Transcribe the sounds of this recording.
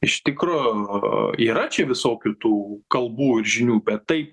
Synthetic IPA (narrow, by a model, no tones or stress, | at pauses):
ɪʃt̪ʲɪkɾoː | iːɾɐt͡ʃʲɛʋʲɪsoːkʲʊt̪uːkɐlˠbuːɪɾʒʲɪnʲuːbʲɛt̪ːɐɪp̚